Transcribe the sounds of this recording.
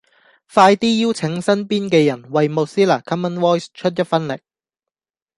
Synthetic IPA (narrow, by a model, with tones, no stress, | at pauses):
faː˧jt̪iː˥jiː˥wt͡sʰɪ˨˥ŋsɐ˥npiː˥nkɛː˧jɐ˨˩nwɐ˨jmo˨˧siː˥laː˨˩kʰɐ˥mːɐ˥nwɔː˥jst͡ʃʰɵ˥t̚jɐ˥t̚fɐ˥nlɪ̰˨˩k̚